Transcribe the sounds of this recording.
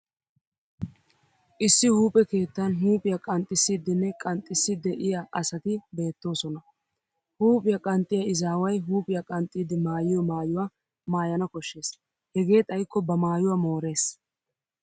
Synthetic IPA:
ʔɪsːɪhuːpʼɛke̞ːt̪ːɐnɦuːpʼɪjɐkʼɐnt̪ʼːɪsːiːd̪ɪnːɛkʼɐnt̪ʼːɪsːɪd̪ɛʔɪjaʔɐsɐt̪ɪbe̞ːt̪ːo̞ːsɔnɐ | huːpʼɪjɐkʼɐnt̪ʼːɪjɐɪzaːwɐjɦuːpʼɪjɐkʼɐnt̪ʼːiːd̪ɪmaːjɪjɔmaːjʊwaː | maːjɐnɐkɔʃːe̞ːs | hɛɡe̞ːt̪ʼɐjkːɔbɐmaːjʊwamo̞ːɾe̞ːs

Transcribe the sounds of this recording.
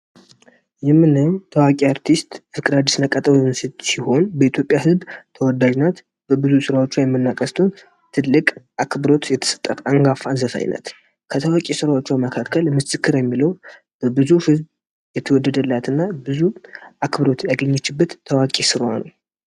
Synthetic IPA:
jɛmːɨnɨmt̪ʰəwakʼiaɾt̪ʰist̪fɨkʼɾad͡ʒ̪isnəkʼːət̪ʼəβnsɨt̪siho̞nbəit̪ʰjo̞pʼːjahɨzbt̪ʰəwɔd̪aʒnat̪ | b̥əbɨzusɨɾawo̞t͡ʃːujɛmːɨnːakʼəst̪ʰəwn | t̪ʰɨlːɨkʼʔakbɨɾo̞t̪jɛt̪ʰə̥sə̥t̪ʼːət̪ʔaŋɡafanzəfa̰j̰nə̰t̪ | kʰət̪ʰəwakʼesɨɾawat͡ʃːɛwməkʰakʰːəlmɨsɨkːɨɾjɛmːiləw | b̥əbɨzuhɨzb | jɛt̪ʰəwɔd̪ːəd̪əlːat̪ɨnːabɨzuʔakbɨɾo̞t̪jaɡəɲːɛt͡ʃːɪbːət̪ʰːəwakʼesɨɾowa̰nəw

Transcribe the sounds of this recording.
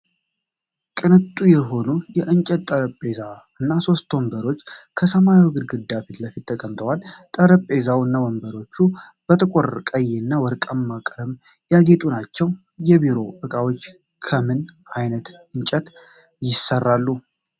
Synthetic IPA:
kʼɨnɨt̪ʼːujɛɦo̞nujɛʔɨnt͡ʃʼɛt̪ʼːəɾəpʼːe̞za | ɨnːaso̞st̪wɔmbəɾo̞t͡ʃːkʰəsəmajwɡɨɾɡɨd̪afit̪ləfit̪ʰːəkʼəmt̪ʰʼəwalt̪ʼəɾəpʼe̞zawɨnːawɔmbəɾo̞t͡ʃːu | b̥ət̪ʰəkʷʼorkʼəjenːawɔɾkʼəmːakʼɾm | jaɡe̞t̪ʼunat͡ʃːɛw | jɛbiɾo̞ʔɨkʼawo̞t͡ʃː | kʰəmɨn | ajnət̪ɨɲt͡ʃʼɛt̪ | jɪsərːalːu

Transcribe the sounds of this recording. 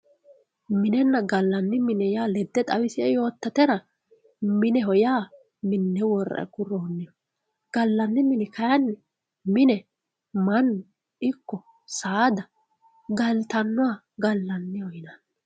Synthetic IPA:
mɪnɛnːɐɡɐlːɐnːɪmɪnɛjaːlɛd̪ːɛt̪ʼɐwɪsɪɛjo̞ːt̪ːɐt̪ɛɾɐ | mɪnɛɦɔjaː | mɪnːɛwɔɾɐ̰ʔɛ̰kʊɾɔnːɛjɔ | ɡ̥ɐlːɐnːɪmɪnɛkɐjɐnːɛ | mɪnɛ | mɐnːʊ | ɪkːɔ | saːd̪ɐ | ɡɐlt̪ɐnːɔwa | ɡɐlːɐnːɪhɔjɪnɐ

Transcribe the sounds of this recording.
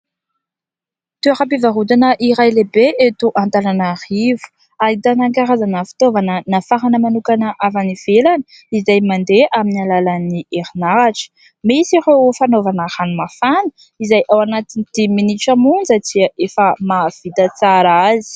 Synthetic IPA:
t̪uaχapivaɦud̪anəʔiɾajlebeʔet̪uʔant̪ananarivu̥ | aid̪anaŋkaɾazanəfi̥t̪ovanənafaɦanəmanukanəʔavaniv̥elani | izajmand̪eaminialalənieɾinaɾaʈ͡ʂə̥ | misiɾewfanovanahanumafanə̥ | izajʔawanat̪inid̪̥iminiʈ͡ʂamund͡zət͡siʔefəmav̥it̪ət͡saɾazi̥

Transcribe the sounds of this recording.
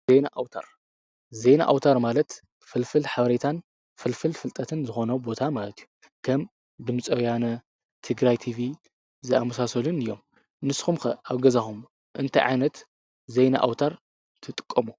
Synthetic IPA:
zenaʔawt̪ʰa̰ɾ | zejna̰ʔa̰wt̪ʰaɾmalɐt̪ | fɨlfɨlħaβɐɾet̪ʰan | fɨlfɨlfɨlt̪ʼɐt̪ʰɨnzɨxo̞nɐbo̞t̪ʰamalɐt̪ʰiju̥ | kʰɐm | dɨmɨt͡sʼɐwjanɐ | t̪ʰɨɡɾajt̪ʰivi | zɨamɐsasɐlunɨjːo̞m | nɨsxumkɐʔaβɡɐzaxum | ʔɨnt̪ʰɐ̰jʕa̰jnɐt̪ | zejna̰ʔa̰wt̪ʰaɾ | t̪ʰɨt̪ʼɨ̥kʼːɐmu

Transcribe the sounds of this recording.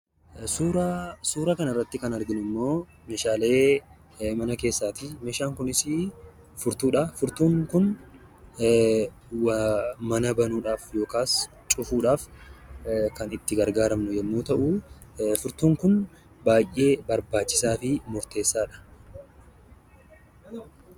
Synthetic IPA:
uːɾɐsuːɾɐkɐnɐrːɐt̪ːɪkɐnɐɾɡɪnʊɪmːo̞ː | meːʃaːle̞ː | mɐnɐke̞ːsːaːt̪ɪmeːʃaːŋkʊnɪsɪ | fʊɾt̪uːᶑɐfʊɾt̪uːŋkʊn | wmɐnɐbɐnuːᶑaːfjo̞ːkaːs | t͡ʃʼʊfuːᶑaːf | kɐnɪt̪ːɪɡɐɾɡaːɾɐmnʊjɛnːuːt̪ɐʔʊfʊɾt̪uːŋkʊn | baːjʔe̞ːbɐɾbaːt͡ʃːɪ̥saːfɪmʊɾt̪e̞ːsːaːᶑɐ̥

